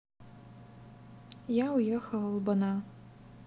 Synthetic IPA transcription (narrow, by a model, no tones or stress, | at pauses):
jawjɛxɐlˠɐlˠbɐna